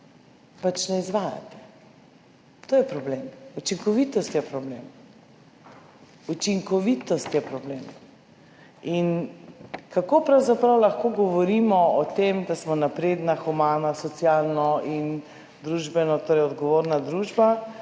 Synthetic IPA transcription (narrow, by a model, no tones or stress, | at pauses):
pat͡ʃnɛizʋaːja̰t̪ɛ̥ | t̪oːjɛpɾɔblemut͡ʃiŋkɔʋit̪ɔst̪jɛpɾɔblḛm | ut͡ʃiŋkɔʋit̪ɔst̪jɛpɾɔbleːm | in | kakopɾawzapɾawlaxkoːɡɔʋɔɾiːmɔɔt̪emd̪asmɔnapɾed̪naxɔmaːnasɔsjalnɔʔin | d̪ɾuʒbɛnɔt̪oːɾɛjɔd̪ɡɔʋoːɾnad̪ɾuʒba